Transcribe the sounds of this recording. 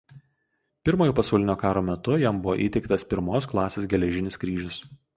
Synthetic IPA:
pʲɪɾmoːjoːpɐsɐʊlʲɪnʲoːkɑːɾoːmʲɛt̪ʊjɛmbʊʋo̰ːʔḭːt̪ʲɛɪkt̪ɐspʲɪɾmoːs̬klˠɑːsʲeːsɡʲɛlʲɛʒʲɪnʲɪskɾʲiːʒʲʊs

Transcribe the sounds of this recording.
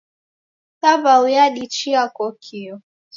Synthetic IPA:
saβaujaɗit͡ʃiakɔkʰiɔ

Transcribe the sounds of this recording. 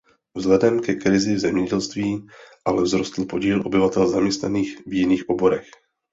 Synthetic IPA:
vzlɛdɛmkɛkɾɪzɪvzɛmɲɛɟɛlst̪viːʔalɛvzɾost̪l̩po̞ɟiːlʔo̞bɪvat̪ɛlzamɲɛst̪na̰niːxvjɪniːxʔobo̞ɾɛx

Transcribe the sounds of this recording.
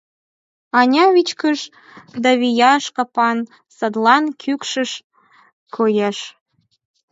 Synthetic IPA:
ɑnʲɑβit͡ɕkəʃ | d̪ɑβijɑʃkəpɑn | səd̪lɑnkʰykʃəʃ | kʰojeʃ

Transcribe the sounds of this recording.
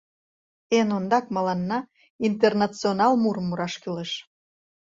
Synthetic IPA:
enond̪ɑkmɑlɑnːɑ | int̪ernɑt͡sionɑlmuɾmːuɾɑʃkyleʃ

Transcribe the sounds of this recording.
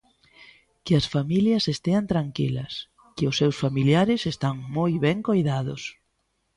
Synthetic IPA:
kɪɐsfamiljɐsest̪eɐnt̪ɾaŋkilɐs | kɪʊsːewsfamiljaɾɪsest̪aŋmojβɛŋkojðaðʊ̰s

